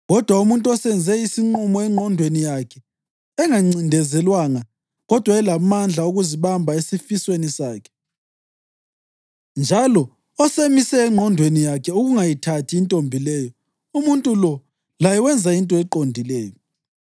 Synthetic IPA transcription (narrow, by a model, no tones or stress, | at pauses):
ɣɔd̥ʱwaumuntʼuɔsɛnd͡zʱɛisiŋ͡ǃumɔɛŋ͡ǃʱɔndʱwenijakʰɛ | ɛŋaŋ͡ǀindʱɛzɛlwaŋa | ɣɔd̥ʱwaɛlamand͡ɮʱauɣuziβambʱaesifiswenisaːkʰɛ̥ | nd͡ʒʱalɔ | ɔsemisɛːŋ͡ǃʱɔndʱwenijakʰɛuɣuŋajitʰatʰiːntʼombʱilɛjɔ | umuntʼulɔ | lajɛwɛnd͡zʱaintʼɔɛǃondʱilɛːjɔ